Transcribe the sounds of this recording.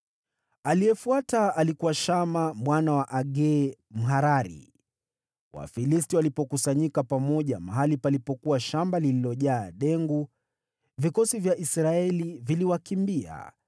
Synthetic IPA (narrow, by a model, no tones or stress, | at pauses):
aliɛfuataalikuwaʃamamwanawaʔaɡɛm̩ɦaɾaɾḭ | wa̰filistiwalipɔkusaɲikapamɔʄamaɦalipalipɔkuwaʃambalililɔʄaːɗɛŋɡu | vikɔsivjaʔisɾaɛliviliwakimbia̰